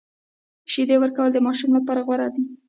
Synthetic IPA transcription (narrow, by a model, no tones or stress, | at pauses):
ʃid̪ewəɾkawəld̪əmɑʃumlapɑɾaɣwaɾad̪i